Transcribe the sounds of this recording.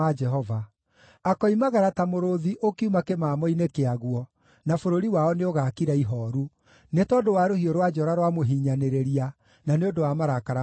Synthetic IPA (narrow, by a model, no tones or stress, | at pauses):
ad͡ʒɛɦɔva | akɔimaɣaɾatamoɾoðiʔokiumakemaːmɔinekeaɣwɔ | nafoɾoɾiwaɔneoɣaːkiɾaiɦɔːɾu | netɔdowaɾohioɾwad͡ʒɔɾaɾwamoɦiːɲaneɾeɾia | naneondowamaɾakaɾa